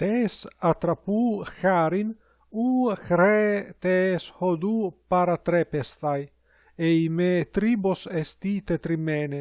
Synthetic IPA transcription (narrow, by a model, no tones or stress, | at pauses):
t̪esat̪ɾapuxaɾin | uxɾet̪eshod̪upaɾat̪ɾepest̪aj | ejmet̪ɾibosest̪it̪et̪ɾimene